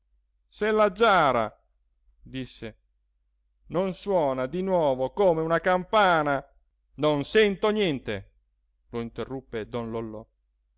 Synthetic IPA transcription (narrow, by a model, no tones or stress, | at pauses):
selːad͡ʒaːɾa̰ | d̪isːe | nonswɔːnad̪inwɔːvokoːmeunakampaːna | nonsɛnt̪onjɛnt̪e | loint̪erːupːed̪ɔnlolːɔ̰